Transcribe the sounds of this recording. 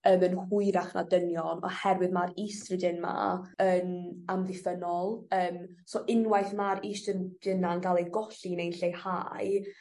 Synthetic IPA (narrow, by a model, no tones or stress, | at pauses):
əːmənhʊɨɾaχna̰dənjɔnɔ̰hɛrwɨðmaɾiːstrədɪnma̰əːnamðɪfənɔlˠəːm | sɔʔɪnwajθmaɾiːstrəd̥ɪnanɡalˠejɡɔɬinejnɬejhaj